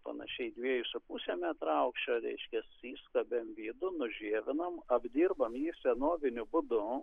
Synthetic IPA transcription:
pɐ̰nɐ̰ʃʲɛɪd̪ʲʋʲiɛjʊsʲʊpuːsʲeːmʲɛt̪ɾɐʊkʃʲt͡ʃʲɛɾʲɛ̰ɪʃʲkʲɛsiːskɐbʲemʋʲiːd̪ʊnʊʒʲiɛʋʲɪnɐmɐbʲd̪ʲiːrbɐmjiːsʲɛnoːʋʲɪnʲʊbʊd̪ʊ

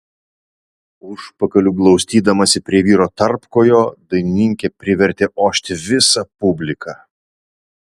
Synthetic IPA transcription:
ʊʃpɐkɐlʲuːɡlˠɒʊsʲt̪ʲiːd̪ɐmɐsʲɪpʲɾʲiɛʋʲiːɾoːt̪ɐɾpkoːjoːd̪ɐɪnʲɪŋʲkʲepʲɾʲɪʋʲɛɾʲt̪ʲeʔoːʃʲt̪ʲɪʋʲɪsɐpʊbʲlʲɪkʰɑ

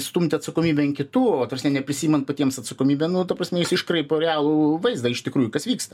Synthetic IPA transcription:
st̪umʲt̪ʲɪɐt̪sɐkoːmʲiːbʲɛɪnkʲɪt̪uːoːt̪ɐsʲnʲɛnʲɛpʲɾʲɪsʲiːmʲɛntpɐtʲiɛmsɐt̪sɐkoːmʲiːbʲɛnʊt̪ɐpɾɐsʲmʲɛjɪsɪʃkrɐɪpoɾʲɛæːlˠuʋɐɪzd̪ɐɪʃt̪ʲɪkɾuːjʊkɐsʋʲiːkst̪ɐ

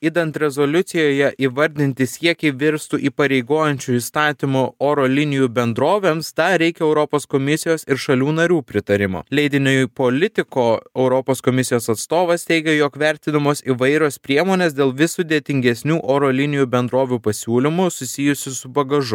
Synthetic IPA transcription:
id̪ɐnt̪ɾʲɛzoːlʲʊt̪sʲɪjoːjɛʔiʋɐɾʲd̪ʲɪnʲt̪ʲɪsʲiɛkʲɛɪʋʲɪɾst̪uʔiːpɐɾʲɛɪɡoːjɛnʲt͡ʃʲuist̪ɑːt̪ʲɪmʊoːɾoːlʲɪnʲɪjubʲɛnd̪ɾoːʋʲeːmsd̪ɑɾʲɛɪkʲɛɛʊɾɔpoːskomʲɪsʲɪjoːsɪɾʃɐlʲuːnɐɾʲuːpʲɾʲɪt̪ɐɾʲɪmo̰ːlʲɛɪd̪ʲɪnʲoːpoːlʲɪt̪ʲɪkoːɛʊɾɔpoːskomʲɪsʲɪjoːsɐt̪st̪oːʋɐst̪ʲɛɪɡʲɛjoːkʋʲɛɾʲt̪ʲɪd̪ɐmoːsiːʋɐɪɾʲoːspʲɾʲiɛmoːnʲeːsd̪ʲeːlˠʋʲɪsʊd̪ʲeːt̪ʲɪŋʲɡʲɛsʲnʲuːʔoːɾoːlʲɪnʲɪjuːbʲɛnd̪ɾoːʋʲupɐsʲuːlʲɪmʊsʊsʲɪjʊsʲɪsʊbɐɡɐʒʊ

